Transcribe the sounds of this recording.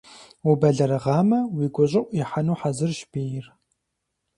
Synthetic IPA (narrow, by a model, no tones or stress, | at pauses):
ubɐɮɐɾɐʁɑːmɐwiːɡʷɔɕʼɪʔʷʼiħanuːħazɨrʃbeːjɪr